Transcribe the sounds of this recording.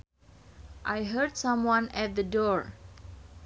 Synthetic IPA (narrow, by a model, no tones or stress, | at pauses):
ʔajɦəɹdsʌ̃mwãnɛt̪̚d̪ədɔɹ